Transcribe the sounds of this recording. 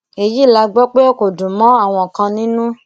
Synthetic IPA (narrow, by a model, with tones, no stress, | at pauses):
e˧ji˦˨la˧ɡ͡bɔ˦k͡pe˦o˦ko˨dũ˨mɔ̃˨˦a˦˨w̃ɔ̃˧˨kã˧nĩ˨˦nũ˦